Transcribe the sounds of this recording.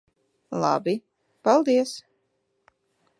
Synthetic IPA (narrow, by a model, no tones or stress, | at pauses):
lˠa̰bi | palˠd̪iɛs